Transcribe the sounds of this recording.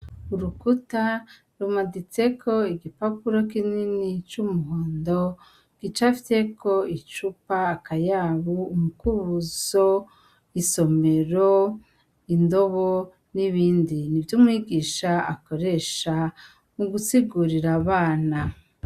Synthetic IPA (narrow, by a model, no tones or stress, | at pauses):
uɾukuta | ɾumaɡit͡sekʰo̞iɡipapuɾokininit͡ʃumuɦoːndo | ɡ̥it͡ʃafi̥te̞kʰo̞it͡ʃupaːkajaβuːmukuβuz̥o | iso̞me̞ɾo | indo̞βo | niβiːndinivjumŋwiːɡiːʃaa̰ko̞ɾe̞ʃa | uɡusiɡuɾiɾaβaːna